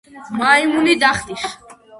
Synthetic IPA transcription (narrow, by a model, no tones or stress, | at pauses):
maimunid̪aχt̪ʼiʃ